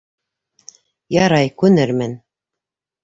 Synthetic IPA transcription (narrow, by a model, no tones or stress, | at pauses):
jɑɾɑjkʉnɘɾmɘn